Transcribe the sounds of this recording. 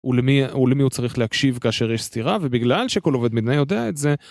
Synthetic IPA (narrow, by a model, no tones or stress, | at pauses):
ulemiulemihut͡saʁiχlehakʃivkaːʃeʁjeʃst̪iʁavebiɡlalʃekoloved̪mid̪najo̞d̪eaetze̞